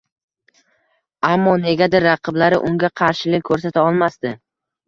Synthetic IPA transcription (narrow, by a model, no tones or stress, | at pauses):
amːɒne̞ɡʲad̪ɪɾːɑqʰɨblaɾɪ̰ʔʊŋɡʲaqʰɑɾʃɪlɪk̚ʲkʰɵɾsat̪ʰaɒlˠmast̪ɪ